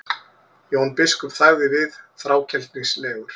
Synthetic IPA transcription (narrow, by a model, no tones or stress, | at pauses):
jɛunpɪskʏmθaɣðɪvɪðθɾaːwcʰɛlt̪niŋslɛːɣʏɾ̥